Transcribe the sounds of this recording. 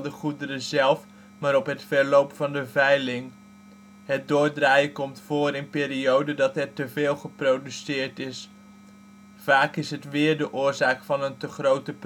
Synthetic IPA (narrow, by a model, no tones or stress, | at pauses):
dəχudəɾəzɛlˠf | maːɾɔpɦətfɛɹlowpfɑndəvɛjlɪŋ | ɦət̚dʊːɹdraːjəkɔmtfoːɾɪnpɪːɾiowdədɑtɛɹtəvɪːlˠχəprowdysɪːɹtɪs | vaːkɪsɦətʋɪːɹdəʔʊːɹzaːkfɑnəntəχrowtəp